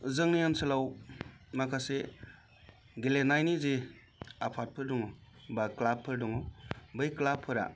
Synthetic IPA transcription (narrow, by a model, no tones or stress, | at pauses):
zɯŋnijansɯlawmakʰase | ɡelenajnize | apʰat̚pʰɯɾdɔŋɔbaklapʰːɯɾdɔŋɔbɯjklapʰːɯɾa̰